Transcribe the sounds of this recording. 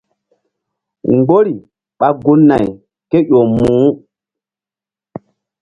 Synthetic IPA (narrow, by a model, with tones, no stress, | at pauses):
ŋɡ͡bo˦ɾi˨ | ɓa˨ɡu˦nːa˨j | ke˦jo˨mũː˨˦